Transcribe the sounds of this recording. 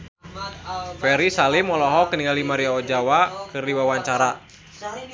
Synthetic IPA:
fɛɾisalɪmɔlɔɦɔkəniŋɡalimaɾiaɔd͡ʒawakɨrdiwawaɲt͡ʃaɾa

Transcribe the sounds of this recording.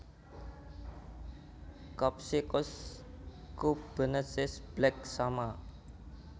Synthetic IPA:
kɔp̚sikʊs | kub̥ə̤nəsɪsb̥lɛk̚sama

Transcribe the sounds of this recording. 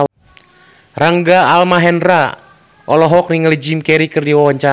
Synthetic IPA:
raŋɡaːlmaɦɛnra | ʔɔlɔɦɔkniŋəlid͡ʒimkɛɾikɨrdiwawaɲt͡ʃa

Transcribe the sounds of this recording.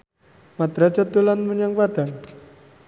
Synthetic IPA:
mad̪ɾad͡ʒad̪olanməɲaŋpad̥aŋ

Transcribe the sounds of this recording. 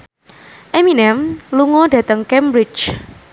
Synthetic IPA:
ʔeminɛmluŋɔdä̤t̪əŋkɛmbɾɪt͡ʃ

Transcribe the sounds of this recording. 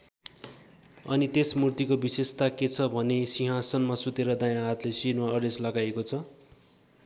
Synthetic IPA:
ʌ̰nit̪esmurt̪ikobisest̪aket͡sʰʌbʱʌnesiɦãsʌnmasut̪eɾʌd̪ajãɦat̪lesinmaʌɾeslʌɡajekot͡sʰʌ

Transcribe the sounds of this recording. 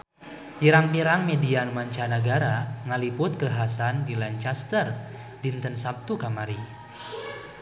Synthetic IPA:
piɾaŋpiɾaŋmedianmaɲt͡ʃanaɡaɾaŋalipʊt̪̚kəɦasandilaɲt͡ʃast̪ər | dint̪ənsap̚t̪ukamaɾi

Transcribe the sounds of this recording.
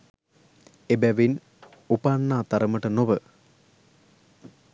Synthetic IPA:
ebæʋin | upanːaːt̪ɐɾɐməʈənoʋə

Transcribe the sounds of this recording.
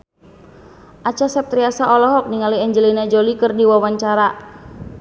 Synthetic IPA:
ʔat͡ʃasɛp̚t̪ɾiasaʔɔlɔɦɔk̚niŋaliɛɲd͡ʒəlinad͡ʒolikɨrdiwawaɲt͡ʃaɾa

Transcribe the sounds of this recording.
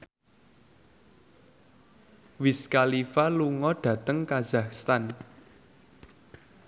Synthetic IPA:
wɪskalifaluŋɔɖ̥ä̤t̪əŋkazahst̪an

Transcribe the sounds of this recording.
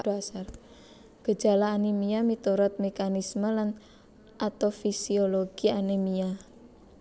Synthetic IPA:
asar | ɡ̥ə̤̥d͡ʒ̥a̤laːnimijamit̪uɾɔt̪̚mekanisməlan | ʔat̪ofisioloɡ̥ianemija

